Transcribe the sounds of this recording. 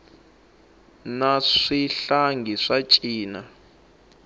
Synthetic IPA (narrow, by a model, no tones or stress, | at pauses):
naʂiɬaŋɡʱiʂat͡ʃʼiːna